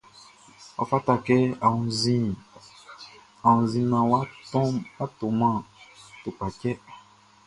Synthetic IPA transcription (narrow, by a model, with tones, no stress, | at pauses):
ɔ̰˨fa˦ta˦kɛ˦a˨ũ˨zĩ˦ | a˨ũ˨zĩ˨nã˨wa˦ta˦to˨mã˦˨tu˨ka˨cɛ˦